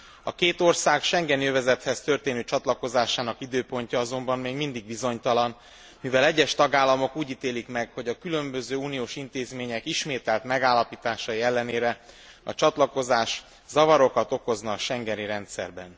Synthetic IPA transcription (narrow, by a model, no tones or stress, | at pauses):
ɒ̰keːt̪o̞rsaːkʃɛŋɡɛnjøvɛzɛt̪hɛst̪ø̞rt̪eːnøːt͡ʃɒt̪lɒko̞zaːʃaːnɒkid̪øːpo̞ɲcɒɒzo̞mbɒmmeːɡmind̪iɡ̚bizo̞ɲt̪ɒlɒn | mivɛlɛɟːɛʃt̪ɒɡaːlːɒmo̞kuːɟit̪eːlikmɛɡho̞ɟɒkylømbøzøːuːnioːʃint̪eːzmeːɲɛkiʃmeːt̪ɛlt̪mɛɡaːlːɒpiːt̪aːʃɒjiɛlːɛneːɾɛ | ɒ̰t͡ʃɒt̪lɒko̞zaːʃ | zɒvɒɾo̞kɒt̪o̞ko̞znɒːʃɛŋɡɛniɾɛnt̪sɛ̰rbɛn